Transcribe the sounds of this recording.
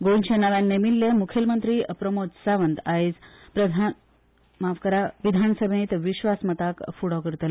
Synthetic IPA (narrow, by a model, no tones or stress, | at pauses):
ɡonɕʰenaʋjanːemilːemukʰjəlmənt̪ɾiːəpɾəmod͡zsaʋənd̪aed͡z | pɾəd̪ʱan | maʋkəɾaʋid̪ʱansəbʱẽt̪ʋiɕʋasmət̪akfuɽɔkəɾt̪əl